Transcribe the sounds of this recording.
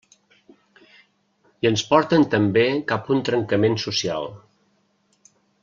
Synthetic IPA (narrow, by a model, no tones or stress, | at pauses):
iənspɔɾt̪ənt̪əmbekapunt̪ɾəŋkəmensusia̰lˠ